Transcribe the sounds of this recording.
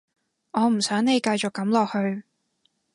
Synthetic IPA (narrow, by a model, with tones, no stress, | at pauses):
ŋɔː˨˧m̩˨˩sœː˨˥ŋne˨˧jkɐ˧jt͡ʃʊ˨kːɐ˨˥mlɔː˨k̚hɵ˧ɥ